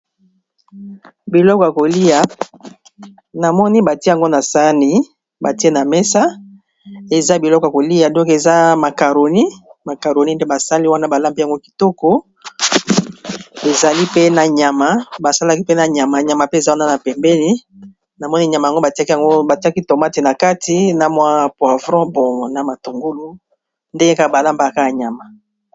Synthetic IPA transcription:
bi˨lɔ˦kɔ˨ja˨ko˨li˦a˨ | na˨mɔ˦ni˦ba˨ti˦˨a˨ŋɡo˦na˨sa˦ni˨ | ba˨ti˦e˦na˨mɛ˦sa˦ | e˨za˦bi˨lɔ˦kɔ˨a˨ko˨li˦ja˨dɔ̃˦ke˨za˦ma˨ka˨ɾo˨ni˦ma˨ka˨ʁo˨ni˦nde˦ba˨sa˦li˦wa˦na˦ba˨la˦m˨pe˦˨a˨ŋɡo˦ki̥˨tɔ˦kɔ˦ | e˨za˨li˦pe˦na˨ɲa˨ma˨ba˨sa˦la˦ki˦pe˦na˨ɲa˨ma˨ɲa˨ma˨pe˦e˨za˦wa˦na˦na˨pɛ˨mbɛ˦ni˦ | na˨mɔ˦ni˦˨ɲa˨ma˨a˨ŋɡo˦ba˨ti˦a˦ka˨ŋɡo˦ba˨ti˦a˦ki˦to˨ma˦ti˨na˨ka˦ti˨˦na˨mwa˦pwa˨vʁɔ̃˦bɔ˨na˨ma˨tu˨ŋɡu˦lu˦ | nde˦ka˦˨ba˨la˦mba˨ka˦ja˨ɲa˨ma˨

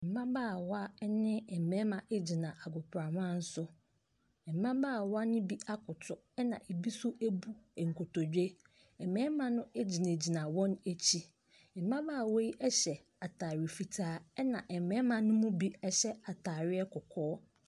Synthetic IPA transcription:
m̩˨mã˦baː˦˨wa˦nɪ̃˦ɛ˨mɛ̃˨˦mã˨ʔe˦d͡ʑi˨nã˨ʔa˨ɡʊ˨pʰɾa˨mã˦n̩˦sʊ˦˨ | mã˦baː˦˨wɔ˦a˦nʊ̃˦bi˦a˦kʰʊ˨tʰʊ˨ | ɛ˦nã̰˨ʔe˨bi˦sʊ˦ʔe˦bu˦˨ŋ̩˨kʰo˨tʰɔ˨d͡ʑᶣe˦ | ɛ˨mɛ̃˦mã˨nʊ̃˦e˦d͡ʑi˨nẽ˨d͡ʑi˨nã˨wɔ̃˦ne˦t͡ɕʰi˦˨ | mã˦baː˦˨wɔ˦ji˦ʔɛ˦ɕɛ˨ | a˨tʰaː˨ɾɪ˨fi˨tʰaː˨˦ɛ˦nã˨ʔɛ˨mɛ̃˨˦mã˨nʊ̃˦mʊ̃˦bi˦ɛ˦ɕɛ˦a˨tʰaː˨ɾɪ˦ɛ˦kʰʊ˨kʰɔː˦

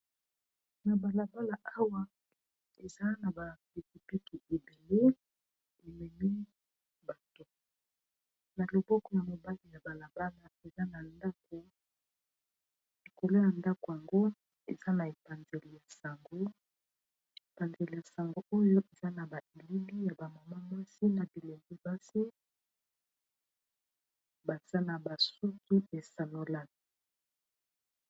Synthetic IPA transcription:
na˨ba˨la˨ba˦la˨ʔa˦wa˦ | e˨za˦na˨ba˨pi˨p̚i˨pi˦ki˨e˨be˨le˦ | e˨mɛ˨ni˦ | ba˨to˦ | na˨lo˨bɔ˦kɔ˦ja˨mo˨ba˦li˨ja˨ba˨la˨ba˦la˨e˨za˦na˨nda˦k̚o˨ | i˨ko˨lo˦ja˨nda˦ko˨ja˨ŋɡo˦ | e˨za˦na˨e˨pa˨nze˨li˨ja˨sa˨ŋɡo˦ | e˨pa˨nze˨li˨ja˨sa˨ŋɡo˦o˦jo˦ʔe˨za˦na˨ba˨ʔe˨li˦bi˦ja˨ba˨ma˨ma˦mwa˦si˦na˨bi˨le˨ŋɡi˦ba˦si˦ | ba˨z̥a˦na˨ba˨su˦kʰi˦e˨sa˨no˦la˦n˨

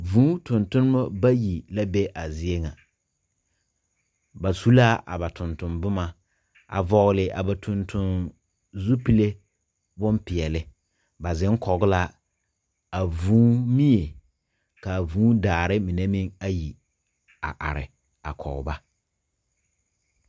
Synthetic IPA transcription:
vũː˨˦tʊ˨ntʊ˦nɪ˦ma˦ba˦ji˨la˦be˦ʔa˨zɪ˦e˦ŋa˨ | ba˨su˦la˦ʔa̰˨ba˨tʊ˨ntʊ˨mbʊ˦ma˨ | a̰˨vɔ˦ɣlɪ˦ʔa̰˨ba˨tʰʊ˦˨ntʰʊ˦n | zu˦pi˦le˦ | bʊ˦mpɪ˨ɛ˨lɪ˦ | ba˨zɪ˦ŋ˦kʰɔ˨ɣʊ˦la˦ | a˨vuː˦mi˦je˨ | ka˨vuː˦daː˨ɾɪ˦mi˨ne˦mɪ˦ŋa˦ji˨ | a˨ʔa̰˨ɾɪ̰˨ | a̰˨kʰɔ̰˨ɣba˦

